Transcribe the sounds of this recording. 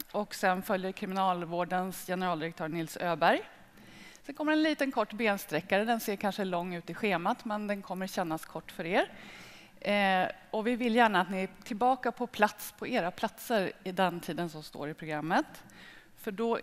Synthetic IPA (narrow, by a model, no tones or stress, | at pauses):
ʔɔksɛnfœljəɾkʰɾɪmɪnɑːlvoːɖənsjɛnəɾɑːld̪ɪɾɛk̚t̪ʰøːnɪlsøːbæɾj | sɛnkʰɔmːəɖɛnliːt̪ənkʰɔʈːbeːnst̪ɾɛkːaɾəd̪ɛnseːɾkʰanʂəlɔŋːʉ̟ːt̪ɪɧeːmat̪mɛnd̪ɛnkʰɔmːəɾɕɛnːaskʰɔʈːfœɾeːɾ | ɔvɪvɪljæːɳaːt̪nɪæt̪ʰɪlbɑːkapʰɔpʰlat̪spʰɔeːɾapʰlat̪səɾɪd̪ɛnt̪ʰiːd̪ənsɔmst̪o̰ːɾɪpʰɾʊɡɾamːət̪ | fœɖɔ